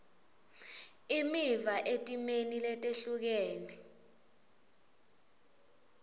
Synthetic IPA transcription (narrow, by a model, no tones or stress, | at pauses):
imivaʔetʼimenilɛtʼeɬuk̬eːni